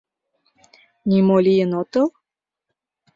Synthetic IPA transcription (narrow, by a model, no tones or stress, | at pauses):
nʲimolʲijənot̪o